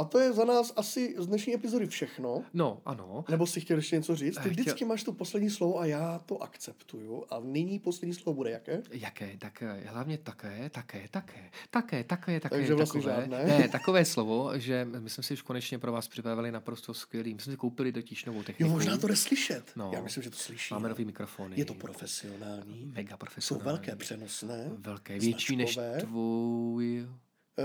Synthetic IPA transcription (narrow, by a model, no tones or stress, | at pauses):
ʔat̪ojɛzanaːsʔasɪzdnɛʃɲiːʔɛpɪzodɪfʃɛxnonoʔa̰nonɛbo̞sɪxcɛljɛʃcɛɲɛt͡soriːt͡st̪ɪdɪt͡skɪmaːʃt̪upo̞slɛdɲiːslovoajaːt̪o̞ʔa̰kt͡sɛpt̪ujuʔa̰nɪɲiːposlɛdɲiːslovobudɛjakɛːjakɛːt̪akɦlavɲɛt̪akɛːt̪akɛːt̪akʰɛːt̪akɛːt̪akɛːt̪ak̪t̪aɡɛʒɛvlast̪ɛʒaːnɛːnɛt̪akovɛːslovoʒɛmɪsmɛsɪuʃkonɛt͡ʃɲɛpɾovaːspr̥ɪpɾavɪlɪnapɾost̪oskvjɛliːmɪsmɛsɪkowpɪlɪt̪o̞cɪʃnovowt̪ɛxɪmoʒnaːt̪onɛslɪʃɛt̪noja̰ːmɪslimʒɛt̪o̥slɪʃimaːmɛnoviːmɪkɾofoːnɪjɛt̪opɾofɛsɪonaːlɲiːmɛɡapɾofɛsso̰wnavɛlkɛːpr̥ɛnosnɛːvɛlkɛːvjjɛt͡ʃiːnɛʃvɛːvuj